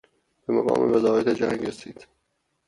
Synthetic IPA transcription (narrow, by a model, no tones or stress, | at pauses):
b̥emaɣɒ̰ːmḛvezɒːjet̪ʰed͡ʒæŋɡɾesiːd̪̥